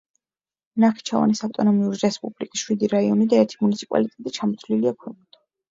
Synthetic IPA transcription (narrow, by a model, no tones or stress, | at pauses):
naχi̥t͡ʃʰava̰nisavt̪ʼɔnɔmiuɾiɾɛspʼublikʼisʃwid̪iɾaiɔnid̪aɛɾt̪ʰimunit̪sʰipʼa̰lit̪ʼɛt̪ʼit͡ʃʰamɔt̪ʰvliliakʰwɛmʼt̪ʰa